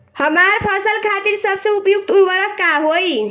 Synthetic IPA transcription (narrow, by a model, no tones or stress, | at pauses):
həmaɾpʰəsəlkʰat̪iɾsəbsə̃upjuk̚t̪uɾwəɾəkːaɦoj